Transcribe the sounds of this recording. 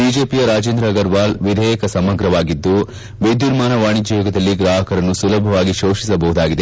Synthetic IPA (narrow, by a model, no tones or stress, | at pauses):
biːd͡ʒeːpijɐɾaːd͡ʒeːnd̪ɾɐɡɐɾʋaːlʋid̪ʱɛːjɐkɐsɐmɐɡɾɐʋaːɡid̪ːu | ʋed̪juɾmaːnɐʋaːɳid͡ʒɐjɔːɡɐd̪ɐlːiɡɾaːɦɐkɐɾɐnːusulɐbʱɐʋaːɡiʃoːʃisɐbɐɦud̪aːɡid̪e